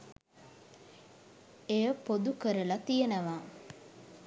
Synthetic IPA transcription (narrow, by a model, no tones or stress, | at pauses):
ejəpod̪ukəɾəlat̪ijenəʋaː